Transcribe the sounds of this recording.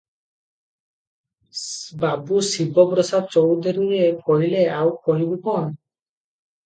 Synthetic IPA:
babusibɔbɾɔsat͡ʃɔwd̪eɾuɾekʰɔɦileawkʰɔɦibupɔn

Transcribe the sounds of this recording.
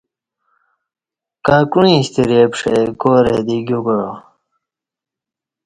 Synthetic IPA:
kaːkunĩɕt̪iɾepʂḛkoːɾḛd̪iɡʲjuɡɻo

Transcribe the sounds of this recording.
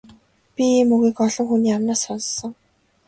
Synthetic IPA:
pʲiiːmɵɣiːkɔɮɞ̆ŋxuniːamnaːsɔnsɞ̆ŋ

